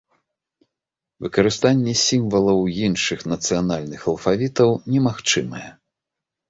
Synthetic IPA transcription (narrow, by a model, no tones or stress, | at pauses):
vɨkɐɾɨst̪anʲːɛsʲimvɐlˠɐwjinʂɨxnɐt̪sɨjanalʲnɨxɐlˠfavʲit̪ɐwnʲɛmaxt͡ʂɨmɐjɛ̰